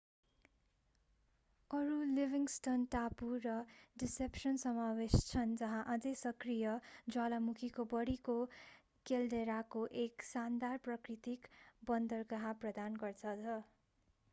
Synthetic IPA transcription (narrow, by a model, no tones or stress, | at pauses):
ʌɾulibiŋsʈʌnʈapurʌɖisepsʌnsʌmawest͡sʰʌnd͡zʌɦãʔad͡zʌsʌkrijʌd͡zwalamukʰikobʌɽiko | keldeɾakoʔeksand̪arprʌkrit̪ikbʌnd̪ʌrɡʌɦãprʌd̪anɡʌrt͡sʰʌd͡zʰʌ